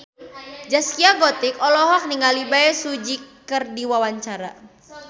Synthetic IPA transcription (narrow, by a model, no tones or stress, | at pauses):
d͡ʒaskiaɡɔt̪ikɔlɔɦɔk̚niŋalibaɛsud͡ʒikərdiwawaɲt͡ʃaɾa̰